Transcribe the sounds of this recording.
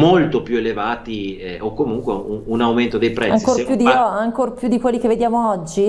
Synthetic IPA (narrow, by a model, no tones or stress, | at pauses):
molt̪opjuelevaːt̪iɛokːomuŋkweuunawment̪od̪ejpɾɛaŋskopjud̪ːiɔaŋkorpjud̪ːikwelːik̟evːed̪jaːmoɔd͡ʒːi